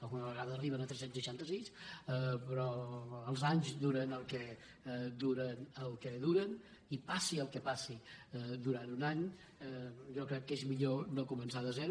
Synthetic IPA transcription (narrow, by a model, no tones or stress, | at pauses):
alɣunəβəɣaðəːriβənət̪ɾɛsensəʃant̪əsisəpɾɔəlˠzaɲzd̪uɾənəlˠkɛ | d̪uɾənəlˠkəðuɾən | ipasiəlˠkəpasid̪uɾant̪unaɲ | ʒɔkɾɛkːezmiʎonokumənsaðəzɛɾu